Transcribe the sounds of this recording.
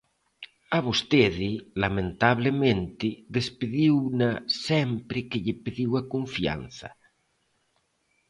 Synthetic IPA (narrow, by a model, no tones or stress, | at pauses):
aβost̪eðɪlamẽnt̪aβlemẽnt̪ɪðespeðiwnasɛmpɾɪkeʎepeðiwakoɱfia̰n̟θa̰